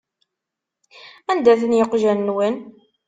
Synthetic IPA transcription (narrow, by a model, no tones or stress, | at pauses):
ænd̪æθənjəqʒænːwən